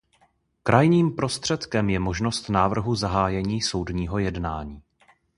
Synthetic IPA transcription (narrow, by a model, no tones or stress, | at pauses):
kɾʔajɲiːmpɾo̞st̪r̝̥ɛt̪kɛmjɛmo̞ʒno̞st̪naːvr̩ɦuzaɦaːjɛɲiːso̞wdɲiːɦo̞jɛdnaːɲiː